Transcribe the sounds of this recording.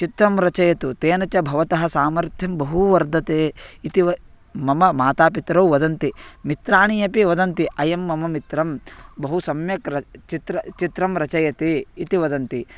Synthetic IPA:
t͡ʃit̪ɾɐmɾɐt͡ʃɐjɐt̪ut̪eːnɐt͡ʃɐbʱɐʋɐt̪ɐɦɐsaːmɐɾt̪ʰjɐmbɐɦuʋɐɾd̪ʱɐt̪eːit̪iʋɐ | mɐmɐmaːt̪aːpit̪ɾɐwʋɐd̪ɐnt̪imit̪ɾaːɳijɐpiʋɐd̪ɐnt̪iʔɐjɐmːɐmɐmit̪ɾɐmbɐɦusɐmjɐkɾɐt͡ʃit̪ɾɐt͡ʃit̪ɾɐmɾɐt͡ʃɐjɐt̪eːit̪iʋɐd̪ɐnt̪i

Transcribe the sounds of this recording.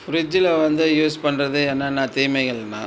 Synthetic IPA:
fʊɾɪd͡ʒɪlɐʋɐnd̪ɯjuːspɐɳɾɐðɯɛːnːaːnãːt̪iːmɐɪɣɐɭnã̰ː

